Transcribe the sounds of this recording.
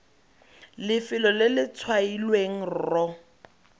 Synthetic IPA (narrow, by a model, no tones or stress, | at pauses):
lɪfɪlɔlɪlɪt͡sʰwailweŋ̩rɔ